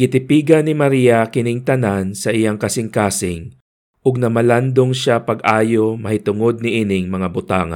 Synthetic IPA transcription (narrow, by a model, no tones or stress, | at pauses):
ɡɪt̪ɪpiːɡɐnɪmɐɾiːjɐkɪnɪŋt̪ɐnansɐʔɪjaŋkɐsɪŋkaːsɪŋ | ʔʊɡ̚nɐmɐland̪oŋʃapɐɡʔaːjo̞mɐhɪt̪ʊŋo̞d̪̚nɪʔinɪŋmɐŋabʊt̪aːŋɐ̰